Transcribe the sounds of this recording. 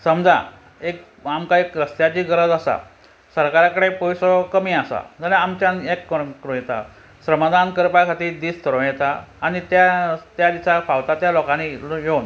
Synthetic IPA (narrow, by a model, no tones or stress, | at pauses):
səmd͡za̰ | ek̚ | amkaekɾəst̪jat͡ɕiːɡəɾəd͡zasa̰ | səɾkaɾakəɽepɔjsɔkəmiːasa̰d͡zaɾẽamt͡ɕjãnekːəkɾõjɛt̪a̰ | sɾəmad̪ankəɾpakʰat̪iːd̪iːst̪əɾõjɛt̪aːñit̪jat̪jad̪isafawt̪at̪jalokãnijon